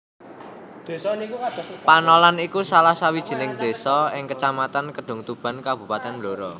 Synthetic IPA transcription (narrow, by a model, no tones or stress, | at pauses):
d̥esnikukad̪̥panɔlanikusalahsawid̥ʒ̥i̤nɪŋd̪̥e̤sɔɪŋkət͡ʃamat̪ankəɖ̥ʊ̤ŋt̪ub̥a̤nkab̥ṳpat̪ɛnbloɾɔ